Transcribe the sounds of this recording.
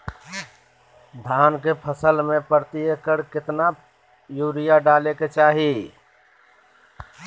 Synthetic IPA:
d̪ʱaːnkepʰəsəlmẽpəɾt̪iəkəɾkɪt̪na | juːɾijaɖaːleket͡ʃaːɦi

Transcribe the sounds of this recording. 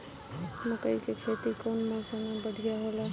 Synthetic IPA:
mukəjkekʰet̪ikonmɔ̃samebəɽʱijaɦola

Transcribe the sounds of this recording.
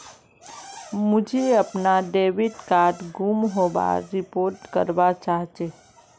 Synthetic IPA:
mʊd͡ʒʱeəpnaɖeːʋɪʈkaːɾɖɡuːmɦoːba̰ːɾːɪpoːɾʈkəɾbat͡ʃaːɦt͡ʃeː

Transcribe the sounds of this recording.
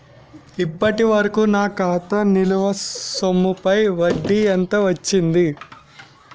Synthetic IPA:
ipːɐʈiʋɐɾɐkunaːkaːt̪ɐniluʋɐsomːupɐjʋɐɖːiɐnt̪ɐʋɐt͡ʃːind̪i

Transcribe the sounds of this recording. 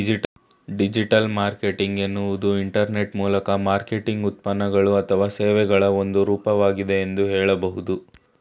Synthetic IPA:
i | ɖid͡ʒiʈɐlmaːɾke̞ʈiŋɡenːuʋud̪uiɳʈɐɾne̞ʈmuːlɐkɐmaːɾke̞ʈiŋɡut̪̚pɐnːɐɡɐɭuɐt̪ʰɐʋaːseːʋɛɡɐɭɐo̞nd̪uɾuːpɐʋaːɡid̪e̞ːnd̪uɦɛːɭɐbɐɦud̪u

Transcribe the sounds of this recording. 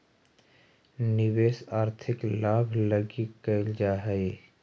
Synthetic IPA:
nɪweːsaːɾt̪ʰɪklaːbʱləɡikəɪld͡ʒaːɦɛe

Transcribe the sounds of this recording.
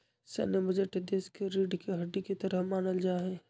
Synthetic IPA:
sɛ̰ːnebɐd͡ʒəʈd̪eːskeɾiːɖkeɦɐɖikit̪ɐɾəmaːnəld͡ʒaːɦɛ̃ː

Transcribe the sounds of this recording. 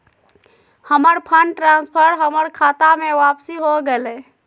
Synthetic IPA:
həməɾpʰəɳɖʈɾanspʰəɾɦəməɾkʰat̪ameʋapsiɦoɡelɛ

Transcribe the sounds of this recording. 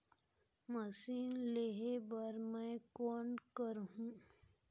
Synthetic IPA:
mɐsiːnleɦebəɾmɛ̃kɔːɳkəɾɦũː

